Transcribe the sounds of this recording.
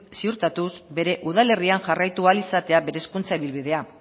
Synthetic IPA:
siuɾt̪at̪uzbe̞ɾe̞ʔuðale̞riaŋʝarajt̪ualisat̪e̞abe̞ɾe̞skunt͡saiβilβið̞e̞a

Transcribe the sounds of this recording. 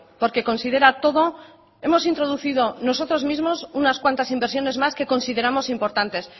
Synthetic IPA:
po̞ɾke̞ko̞nsið̞e̞ɾat̪o̞ðo̞ | e̞mo̞sint̪ɾo̞ð̞uθið̞onos̬o̞t̪ɾo̞zmizmo̞sunaskwant̪asimbeɾsjo̞ne̞zmaske̞ko̞nsiðe̞ɾamo̞simpo̞ɾt̪ant̪e̞s

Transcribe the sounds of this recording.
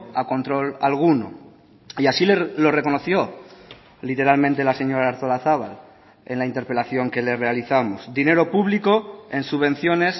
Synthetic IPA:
ako̞nt̪ɾo̞lalɣ̞uno̞̰ | iasilelo̞re̞ko̞noθjo̞ | lit̪e̞ɾalmẽnt̪e̞lase̞ɲo̞ɾaːɾθolaθaβ̞al | e̞nlaint̪e̞ɾpe̞laθjo̞ŋke̞le̞re̞aliθamo̞sd̪ine̞ɾo̞puβliko̞e̞nsuβẽ̞n̟θjo̞ne̞s

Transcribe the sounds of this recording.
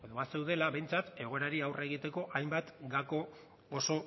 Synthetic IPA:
eðoβase̞wðe̞laβe̞jnt͡sat̪e̞ɣ̞o̞eɾaɾiawre̞ɣ̞it̪e̞ko̞ʔajmbat̪ɡako̞ | o̞so̞

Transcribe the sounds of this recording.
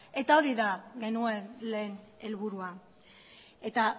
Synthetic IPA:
e̞t̪aoɾiðaɣe̞nue̞nle̞ːne̞lβ̞uɾua | e̞t̪a

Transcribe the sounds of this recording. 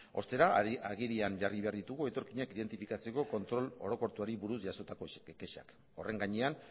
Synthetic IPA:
o̞̰st̪e̞ɾaaɣiɾianʝariβe̞aɾðit̪uɣue̞t̪o̞ɾkiɲakiðe̞nt̪ifikat͡se̞ko̞kont̪ɾolo̞̰ɾo̞ko̞ɾt̪uaɾiβuɾusʝaso̞t̪akokeʃa̰k | o̞̰re̞ŋɡaɲe̞an

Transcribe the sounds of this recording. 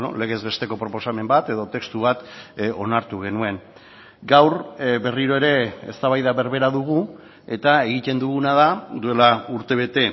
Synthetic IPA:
no̰le̞ɣe̞zβe̞st̪e̞ko̞pɾo̞po̞same̞mbat̪e̞ðo̞t̪e̞kst̪uβat̪o̞naɾt̪uɣ̞e̞nue̞n | ɡawɾbe̞riɾo̞e̞ɾe̞est̪aβajðaβe̞ɾβe̞ɾaðuɣu | e̞t̪ae̞ɣ̞it̪e̞nd̪uɣunaðad̪ue̞lauɾt̪e̞β̞e̞t̪e̞

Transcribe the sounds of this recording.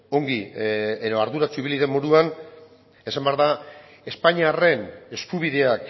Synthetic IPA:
o̞ŋɡieðo̞aɾðuɾat͡suiβiliðe̞mːoɾuan | e̞sambeaɾða | e̞spaɲiare̞ne̞skuβ̞iðe̞ak

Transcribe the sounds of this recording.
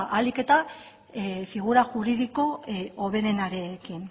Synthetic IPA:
ʔalike̞t̪a | fiɣ̞uɾaʝuɾið̞iko̞oβ̞e̞ɾe̞naɾe̞kin

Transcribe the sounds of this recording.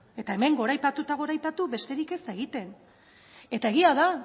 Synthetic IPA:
e̞t̪ae̞me̞ŋɡo̞ɾajpat̪ut̪aɣ̞o̞ɾajpat̪uβe̞st̪e̞ɾike̞se̞ɣit̪e̞n | e̞t̪ae̞ɣiaða

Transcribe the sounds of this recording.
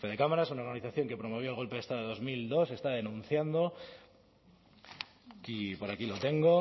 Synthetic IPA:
feðe̞kamaɾasunaoɾɣaniθaθjo̞ŋke̞pɾo̞mo̞β̞joelɣo̞lpeet̪aðo̞e̞ðo̞zmild̪o̞se̞st̪aðe̞nũn̟θjand̪o̞ | kipo̞ɾakilo̞t̪e̞ŋɡo̞

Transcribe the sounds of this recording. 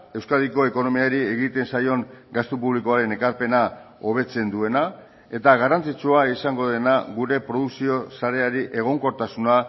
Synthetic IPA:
e̞wskaðiko̞e̞ko̞no̞miaɾie̞ɣit̪e̞nsajo̞ŋɡast̪upuβlikoaɾe̞ne̞kaɾpe̞nao̞β̞e̞t͡se̞nd̪ue̞na | e̞t̪aɣarant͡sit͡suaisaŋɡo̞ðe̞naɣuɾe̞pɾo̞ðuksio̞saɾe̞aɾiʔe̞ɣ̞o̞ŋko̞ɾt̪asuna

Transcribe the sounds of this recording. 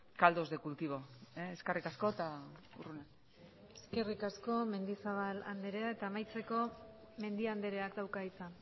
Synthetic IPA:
kald̪o̞zðekult̪iβ̞o̞eeskerikasko̞t̪a | ṵrune | eske̞rikasko̞me̞nd̪isaβ̞ala̰nd̪e̞ɾe̞ae̞t̪aːmajt͡se̞ko̞ | me̞nd̪iand̪e̞ɾe̞akd̪awkait͡san

